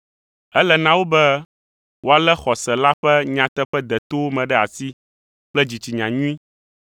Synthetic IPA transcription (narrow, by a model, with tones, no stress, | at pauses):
ɛ˦lɛ˨nã˦wo˦bɛ˦ | wʔo˦a˨lɛ˦xɔ˨sɛ˨la˦ɸɛ˦ɲã˨t̪ɛ˦ɸɛ˦d̪ɛ˨t̪o˦mɛ̃˨ɖɛ˦a˨si˦ | k͡plɛ˦d͡ʑi˨t͡ɕi˨ɲã˨ɲũ˦ĩ˦